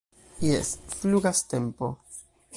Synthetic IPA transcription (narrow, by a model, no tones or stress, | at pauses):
jḛsfluɡaste̞mpo̞̰